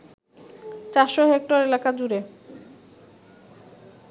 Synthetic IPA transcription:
t͡ɕaɾʃoɦek̚ʈoɾelakad͡ʑuɾe

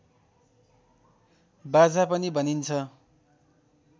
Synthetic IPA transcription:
bad͡zapʌnibʱʌnint͡sʰʌ

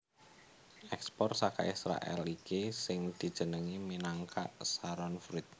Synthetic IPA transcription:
ʔɛkspɔrsaka̰isɾa̰ʔɛ̰likesɪŋd̪̥i̤d̥ʒ̥ə̤nəŋiminaŋkʰa̰ʔsaɾɔnfɾɪt̪̚

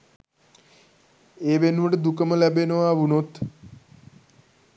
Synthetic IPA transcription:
eːʋenʋɐʈed̪ukɐmɐlɛbenoaːʋunot̪

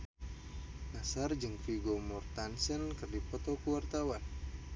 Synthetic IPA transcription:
nasard͡ʒɨŋfiɡɔmɔrt̪ansənkɨrdipɔt̪ɔkuwart̪awan

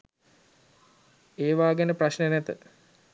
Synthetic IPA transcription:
eːʋaːɡenəpraɕnənæt̪ə

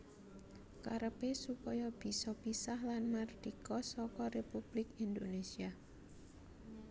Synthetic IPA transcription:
kaɾəpesupɔjɔb̥i̤sɔpisahlanmard̪̥ikɔsɔkɔrepub̥lɪkind̪onesia

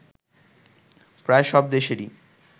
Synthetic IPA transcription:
pɾaeʃɔb̚d̪eʃeɾi

